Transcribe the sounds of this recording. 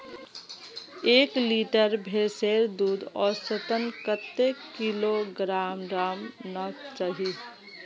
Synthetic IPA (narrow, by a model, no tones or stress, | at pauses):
eːkliːʈəɾbʱeseːɾd̪uːd̪ɔːɾsət̪ənkət̪ːekiloɡɾaːmɾaːmnət͡ʃaɦi